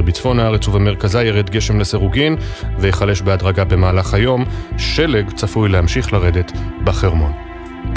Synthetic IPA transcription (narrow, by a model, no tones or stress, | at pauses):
bit͡sfo̞naaʁet͡suvame̞ʁkazajeʁed̪ɡe̞ʃe̞mleseʁuɡinvejeχale̞ʃbead̪ʁaɡabe̞maːlaχajo̞mʃeleɡt͡safujlehamʃiχlaʁed̪e̞tbaχeʁmo̞̰n